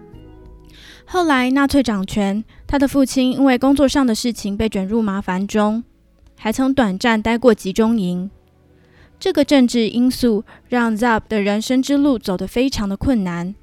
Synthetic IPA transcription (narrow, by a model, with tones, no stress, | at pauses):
xo˥˩ʊla˧˥ɪna˥˧t͡sʰwe˥˩ɪʈ͡ʂɑ˨˩ŋt͡ɕʰɥɛ˧˥nt̪ʰa˥d̪ə˨fu˥˩t͡ɕʰi˥ni˥nwe˥˩ɪkʊ˥ŋt͡swɔ˥˧ʂɑ˥˩ŋd̪ə˩ʂɻ̩˥˩t͡ɕʰi˨˦ŋpe˥˩ɪʈ͡ʂwə˨˩nɻu˥˩ma˧˥fa˧˥nʈ͡ʂʊ˥ŋ | xa˧˥ɪt͡sʰɤ˧˥ŋt̪wa˨˩nʈ͡ʂa˥˩nt̪a˥ɪkwɔ˥˩t͡ɕi˧˥ʈ͡ʂʊ˥ŋi˧˥n | ʈ͡ʂɤ˥˩ɡə˩ʈ͡ʂə˥˧ŋʈ͡ʂɻ̩˥˩ʔi˥ŋsu˥˧ɻɑ˥˩ŋza˥˩p̚d̪ə˩ɻə˧˥nʂə˥ŋʈ͡ʂɻ̩˥lu˥˩t͡so˨˩ʊd̪ə˦fe˥ɪʈ͡ʂʰɑ˧˥ŋd̪ə˨kʰwə˥˩nːa˧˦n